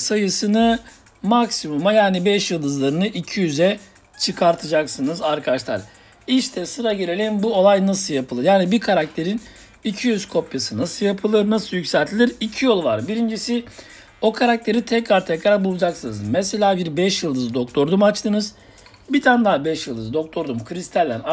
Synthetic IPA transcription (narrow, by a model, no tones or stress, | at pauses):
sajɯsɯnɯ | maksimumajaːnibɛʃjɯlˠd̪ɯzlˠaɾɯnɯʔicʰijyzɛ | t͡ʃʰɯkʰaɾt̪ʰɯd͡ʒaksɯnɯzaɾkʰaaʃlˠa̰ɾ | iʃt̪ʰɛsɯɾaɟeɾʲelʲinbuo̞lˠajnasɯlˠjapʰɯlˠɯɾjaːnibikʰaɾak̚t̪ʰe̞ɾin | icʰijyzkʰo̞pjasɯnasɯljapʰɯlˠɯɾnasɯjycsɛlʲt̪ʰilʲiɾicʰijo̞lˠvaɾbiɾind͡ʒisi | o̞kʰaɾak̚t̪ʰe̞ɾit̪ʰɛcɾaɾt̪ʰɛcɾaɾbulˠud͡ʒaksɯnɯzmɛselʲaːbiɾbɛʃjɯlˠd̪ɯzd̪o̞kt̪ʰo̞ɾd̪umat͡ʃt̪ʰɯnɯz | bit̪ʰand̪aːbɛʃjɯlˠd̪ɯzd̪o̞k̚t̪ʰo̞ɾd̪umkʰɯɾist̪ʰælʲːæn